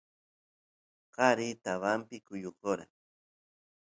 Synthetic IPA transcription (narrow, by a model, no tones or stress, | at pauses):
qɑɾit̪aβampɪkʊjoqoɾa̰